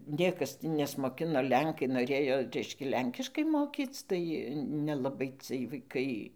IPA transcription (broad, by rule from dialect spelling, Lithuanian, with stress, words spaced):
ˈnʲiɛkɐs tʲɪ nʲɛsmoːˈkʲɪnoː ˈlʲɛŋkɐɪ noːˈrʲeːjoː ˈrʲɛɪʃʲkʲɛ ˈlʲɛŋʲkʲɪʃkɐɪ ˈmoːkʲiːt͡s tɐɪ nʲɛlˠɐˈbɐɪ t͡sɨɜj ʋɐɪˈkɐɪ